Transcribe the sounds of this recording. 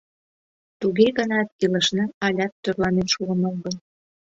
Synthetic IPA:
t̪uɣeɣənɑt̪̚iləʃnɑɑlʲɑt̪ːørlɑnenʃuəmoɣən

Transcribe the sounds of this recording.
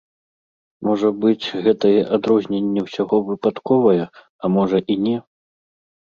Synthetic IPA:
mɔʐɐbɨt͡sʲɣɛt̪ɐjɛʔad̪ɾɔzʲnʲɛnʲːɛwsʲaɣɔvɨpat̪kɔvɐjɛ | ɐmɔʐɐʔinʲɛ

